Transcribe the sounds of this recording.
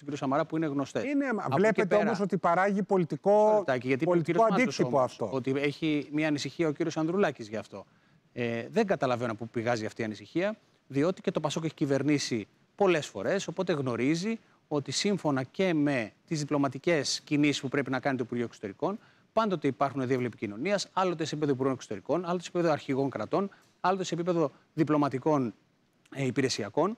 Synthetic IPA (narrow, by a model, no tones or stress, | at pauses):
ociɾijosɐmɐɾɐpuineɣno̞st̪einevlepet̪eomos̬o̞t̪ipɐɾɐʝipo̞lit̪iko̞t̪ɐciʝɐt̪iolit̪iiooɐndik̪osiompoɐɐft̪oot̪ie̞çimɲɐːnisiçiɐociɾiosɐnðɾulɐcizʝɐːft̪o̞ | eðe̞ŋɡɐt̪ɐlɐvenopupiɣɐziɐft̪iːɐnisiçiɐ | ðio̞t̪i̥ce̞t̪o̞pɐso̞ke̞çi̥cive̞ɾnisi | po̞le̞sfo̞̰ɾe̞so̞po̞t̪e̞ɣno̞ɾizi | o̞t̪isiɱfo̞nɐce̞me̞t̪izðiplo̞mɐt̪ice̞scinisi̥spupɾe̞pinɐkɐnit̪oipuɾʝoe̞ksot̪e̞ɾiko̞n | pɐnd̪o̞t̪e̞ipɐɾxuneðievlepicino̞niɐsɐlo̞t̪esepipeðoipuɾɣo̞neksot̪e̞ɾiko̞nɐlot̪sepipeðoɐɾçiɣo̞ŋkɾɐt̪o̞n | ɐlo̞t̪e̞sepipe̞ðo̞ | ðiplo̞mɐt̪iko̞n | ipiɾe̞siɐko̞n